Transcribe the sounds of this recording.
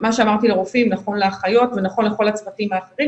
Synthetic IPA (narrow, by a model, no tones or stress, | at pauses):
maʃeamaʁt̪ileʁofimnaχo̞nleaχajo̞tvenaχo̞nle̞χo̞lat͡svatimaːχe̞ʁim